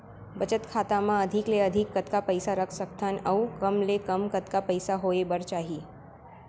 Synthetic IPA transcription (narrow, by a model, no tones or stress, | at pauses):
bət͡ʃət̪kʰaːt̪amãəd̪ʱɪkleəd̪ʱɪkːət̪kapəɪsaɾəkʰsək̚t̪ʰanɐukəmlekɐmkət̪kapəɪsaɦoːebəɾt͡ʃaːɦi